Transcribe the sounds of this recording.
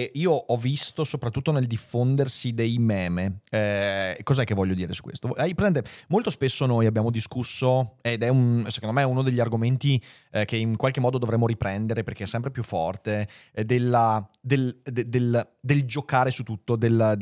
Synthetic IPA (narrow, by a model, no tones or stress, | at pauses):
iːoʔɔvist̪osopɾat̪ːut̪ːoneld̪ifːond̪ersid̪ejmɛːmeɛkɔzaɛkːevɔʎːod̪iːɾesu̥kːwḛst̪oajpɾezɛnt̪emolt̪ospesːonojabːjaːmod̪iskusːoed̪ɛunsekõnd̪omeɛunod̪eʎːiarɡoment̪i | k̟eiŋkwalkemːɔːd̪od̪ovɾemːoɾipɾɛnd̪eɾeperkeɛsːɛmpɾepjufːɔ̰rt̪ed̪elad̪eld̪ed̪eld̪eld͡ʒokaːɾesut̪ːut̪ːod̪el